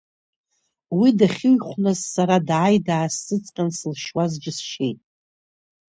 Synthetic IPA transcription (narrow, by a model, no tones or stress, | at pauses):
widaχʲɪɥχʷnazsaɾadʕajdaːsɨt͡sʼqʲʼansɨlʃwazd͡ʒɪsʃejtʼ